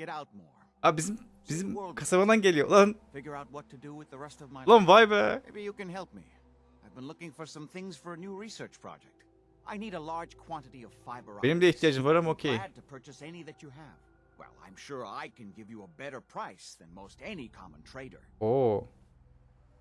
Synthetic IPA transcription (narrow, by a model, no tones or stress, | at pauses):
ɡ̥ɛɾaʊt̚mɔ̰ɹ | abizim | bizimwlˠkʰasamad̪anɟe̞lʲijolˠanfɪɡjə˞aʊt̚wʌtʰɨdɨwɨðəɹɛstʌvmaɪlˠanvajbəmebijɨkɨ̃nɦɛlˠp̚mḭ | aɪvbɨ̃nlʊkɪ̃ŋfə˞sʌ̃mθɪ̃ŋz̥fə˞ɨnuɹisɜ˞t͡ʃpʰɹ̥ɑ̰d͡ʒɛk̚t | ʔaɪniɾəlɑɹ̥ʒ̥kʰw̥ɑ̃ntɨɾiʌv̥faɪbə˞enimd̪ɛiçt̪ʰijaːd͡ʒɯmvaɾamocʰejd̚tɨpʰɜ˞t͡ʃɨsɛniðɨt͡ʃɨɨv̥ | wɛ̰lˠã̰ɪ̃mʃʊɹa̰ɪkʰɨ̃nɡɪvjɨəbɛɾə˞pʰɹ̥aɪsðɨ̃nmoʊstɛnikʰɑ̰mə̃ntʰɹ̥eɪɾə̰˞oː